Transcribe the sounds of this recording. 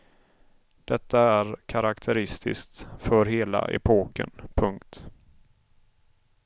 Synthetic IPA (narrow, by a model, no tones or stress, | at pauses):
d̪̥ɛt̪ːaæɾkʰaɾakt̪ʰɛɾɪst̪ʰɪ̰skt̪fœɾɦeːla̰ʔɛ̰pʰoːkə̰npʰɵŋkt̪